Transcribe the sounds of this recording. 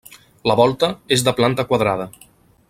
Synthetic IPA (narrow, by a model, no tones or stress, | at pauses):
ləβɔlˠt̪əezðəplant̪əkwaðɾað̞ə